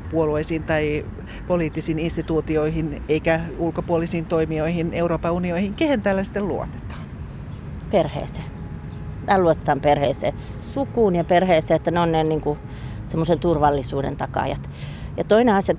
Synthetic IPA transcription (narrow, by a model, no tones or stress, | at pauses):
puoluoisiːnt̪ɑi | poliːt̪ːisiːninst̪it̪uːt̪ioihineikæulkopuolisiːnt̪oimioihineuɾoːpɑunioihiŋkehent̪æːlːæsi̥t̪ːˑelluo̰t̪e̥t̪ɑ̥n | perhḛːseː | t̪æːluot̪e̥t̪ɑmperheːsḛː | sukuːnjɑperheːseːet̪ːæneonnenniŋku | semːosent̪urʋɑlːisuːdḛnt̪ɑkɑ̰jɑt̪jɑt̪oineɑsjɑ